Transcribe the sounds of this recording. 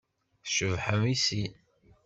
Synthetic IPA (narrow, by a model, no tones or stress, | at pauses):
θʃəvħəmisi